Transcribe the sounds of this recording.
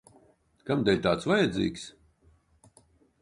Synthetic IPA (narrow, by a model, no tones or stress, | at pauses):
kamd̪ɛlʲt̪aːt̪svajɛd̪zḭːks